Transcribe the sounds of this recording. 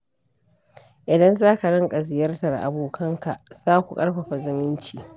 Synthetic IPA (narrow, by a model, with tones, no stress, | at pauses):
ʔɪ˨dɐ˦nzaː˦ka˨ɽɪ˦ŋkʼɐ˨zɪ˨jɐ˦rtɐ˨rʔa̰˨boː˨kʰɐ˦ŋka˨ʔz̥aː˦kʷu˨kʼɐ˦ɽɸɐ˨ɸa˨zɪ˦mɪ˦nt͡ʃiː˨